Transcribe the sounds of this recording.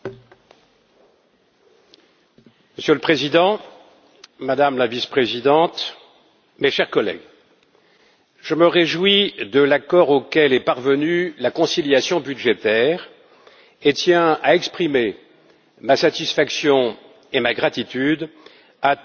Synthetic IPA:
məsjøləpχezid̪ɑ̃ | mad̪amlavispχezid̪ɑ̃t̪ | meʃɛʁkɔlɛ̰ɡ | ʒ̥əməʁeʒwid̪əlakɔʁokʲɛlɛpaʁvənylakɔ̃siljasjɔ̃byd̪ʒet̪ɛʁ | et̪jɛ̃aɛkspχime | masat̪isfaksjɔ̃ | emaɡʁat̪it̪yd̪ | a

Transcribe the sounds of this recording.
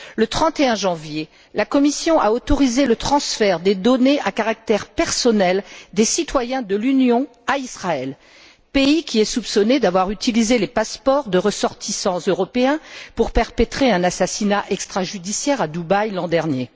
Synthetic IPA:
lət̪χɑ̃t̪eɛ̃ʒɑ̃vje | lakɔmisjɔ̃ʔaot̪ɔʁizelət̪χɑ̃sfɛʁd̪ed̪ɔneʔakaʁak̚t̪ɛʁpɛʁsɔnɛld̪esit̪wajɛ̃d̪əlynjɔ̃ | aisχaɛl | peikʲʰiɛsupsɔned̪avwaʁyt̪ilizelepaspɔʁd̪əʁəsɔʁt̪isɑ̃zøʁɔpeɛ̃puʁpɛʁpet̪χeɛ̃nasasinaʔɛkst̪χaʒyd̪isjɛʁad̪ubajlɑ̃d̪ɛʁnje

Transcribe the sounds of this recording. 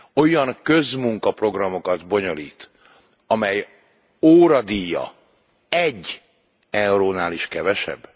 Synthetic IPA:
o̞jɒŋkø̞zmuŋkɒpro̞ɡrɒmo̞kɒd̪bo̞ɲo̞liːt̪ | ɒmɛj | oːɾɒd̪ijːɒ̰ | ɛɟː | ɛuɾoːnaːliʃkɛvɛʃɛ̰bː

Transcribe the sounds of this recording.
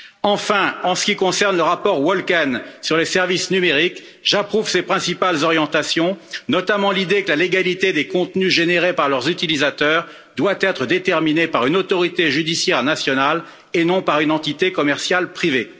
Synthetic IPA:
ɑ̃fɛ̃ɑ̃sə̥kʲikɔ̃sɛʁnləʁapɔʁwɔlkansyʁlesɛʁvisnymeʁik | ʒapχuv̥sepχɛ̃sipalzɔʁjɑ̃t̪asjɔ̃nɔt̪amɑ̃lid̪ekəlaleɡalit̪ed̪ekɔ̃t̪nyʒeneʁepaʁlœʁzyt̪ilizat̪œʁ | d̪wat̪ɛt̪χəd̪et̪ɛʁminepaʁynot̪ɔʁit̪eʒyd̪isjɛʁnasjɔnal | enɔ̃paʁynɑ̃t̪it̪ekɔmɛʁsjalpχive

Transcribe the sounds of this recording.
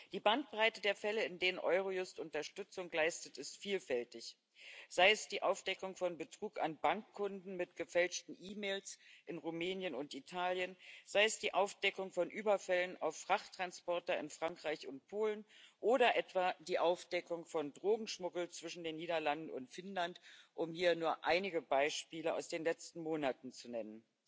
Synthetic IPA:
d̥iːbant̚b̥ʁaɪtədeːɐfɛləɪndeːnənʔɔʏʁ̞ojʊstʔʊntɐʃtʏt͡sʊŋlaɪstətɪstfiːlfɛltɪç | z̥aɪəsd̥iːʔaʊfd̥ɛkʊŋfɔnbətʁ̥uːkanbaŋkʰːʊndn̩mɪtɡ̥əfɛlt͡ʃtn̩ʔiːmeːlsʔɪnʁumeːnjənʊntitʰaːljənz̥aɪəsd̥iːʔaʊfd̥ɛkʊŋfɔnʔyːbɐfɛləna̰ʊfːʁ̥aχtʁ̥anspɔɐtɐɪnfʁ̥aŋkʁ̥aɪçʊnt̚pʰoːlənʔoːɾɐʔɛtv̥aːd̥iːʔaʊfd̥ɛkʊŋfɔndʁoːɡŋ̩ʃmʊɡl̩t͡sv̥ɪʃn̩deːnːiːdɐlandn̩ʊ̰ntfɪnlantʔʊmhiːɐnuːɐʔaɪnɪɡəbaɪʃpiːləa̰ʊsd̥eːnlɛt͡stn̩moːnatn̩t͡sunɛnən

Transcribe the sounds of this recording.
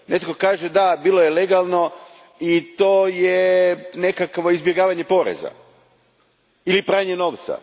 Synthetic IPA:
nʔet̪ko̞kaːʒed̪abiːlojele̞ɡalˠno̞ | it̪oːjene̞kakʋo̞izbjeɡaːʋaɲe̞po̞ɾḛza̰ | ilipɾaːɲeno̞ːʋt̪sa̰

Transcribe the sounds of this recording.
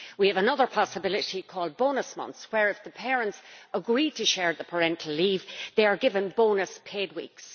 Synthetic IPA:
wiəvənʌðə˞pʰɑsəbɪlɪɾikʰɔːlˠd̚bõʊnəsmʌ̰̃nθswə˞ɪfðəpʰɛːɹə̃ntsəɡɹitʰəʃɛɹðəpʰə˞ɛ̃ntʰˡəl̩liːvðeɪə˞ɡɪvə̃nbõʊnəspʰed̚wḭks

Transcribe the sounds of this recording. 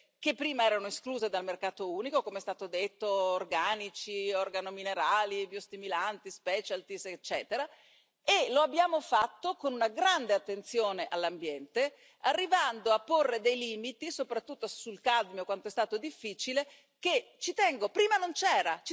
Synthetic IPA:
kepːɾiːmaɛːɾanoeskluːzed̪almerkaːt̪ouːnikokomeɛst̪aːt̪od̪et̪ːoːrɡaːnit͡ʃiorɡanomineɾaːlibiost̪imulant̪ispɛt͡ʃalt̪iset͡ʃːɛːt̪eɾa | eloabːjaːmofat̪ːokonunaɡɾand̪eat̪ːent̪sjoːneʔalːambjɛnt̪e | arːivand̪oapːorːed̪ejliːmit̪isopɾat̪ːut̪ːosulkad̪mjokwant̪oɛst̪aːt̪od̪ifːiːt͡ʃile | ket͡ʃit̪ɛŋɡopɾiːmanont͡ʃɛːɾat͡ʃ

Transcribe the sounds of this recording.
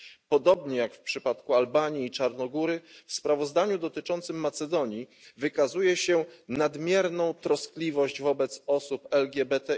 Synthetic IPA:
pɔd̪ɔbɲɛjakfpʂɘpat̪kualbaɲiːt͡ʂaɾnɔɡuɾɘfspɾavɔzd̪aɲud̪ɔt̪ɘt͡ʂɔnt̪sɘmːat̪sɛd̪ɔɲivɘkazujɛɕɛnad̪mʲjɛɾnɔ̃w̃t̪ɾɔsklʲivɔʑd͡ʑvɔbɛt̪sɔsupɛlɡʲjɛbɛt̪ɛ

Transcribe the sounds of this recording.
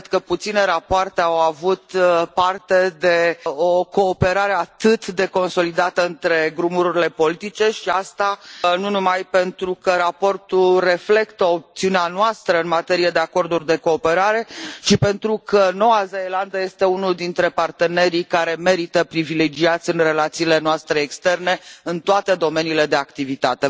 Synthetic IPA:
d̪kəput̪sine̞ɾapoart̪e̞awavut̪part̪e̞d̪e̞o̞ko̞ːpe̞ɾaɾe̞at̪ɨt̪d̪e̞ko̞nso̞lid̪at̪əɨnt̪ɾe̞ɡɾumuɾuɾile̞po̞lit̪it͡ʃe̞ʃiast̪anunumajpe̞nt̪ɾukəɾapo̞rt̪ulre̞fle̞kt̪əo̞p̚t̪siuneanoast̪ɾəɨnmat̪e̞ɾijed̪e̞ako̞rd̪urʲd̪e̞ko̞ːpe̞ɾaɾe̞t͡ʃipe̞nt̪ɾukʰəno̞wazeeland̪əje̞st̪e̞unuld̪int̪ɾe̞part̪e̞ne̞ɾikaɾe̞me̞ɾit̪əpɾivile̞d͡ʒiat̪sʲɨnre̞lat̪siːle̞noast̪ɾe̞ːkst̪e̞rne̞ɨnt̪oat̪e̞d̪o̞me̞niːle̞d̪e̞akt̪ivit̪at̪e̞

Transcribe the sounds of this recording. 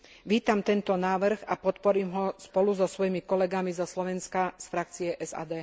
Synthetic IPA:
ʋiːt̪amt̪ɛnt̪ɔnaːʋr̩ɣapɔt̪pɔɾiːmɦɔspɔluzɔsʋɔjimikɔlɛɡamizɔslɔʋɛnskasfɾak̚t͡siɛʔɛza̰ːd̪ɛː

